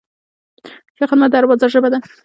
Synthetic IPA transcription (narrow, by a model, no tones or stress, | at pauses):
jaxəd̪mat̪̚d̪aɾwɑzaʒəbad̪a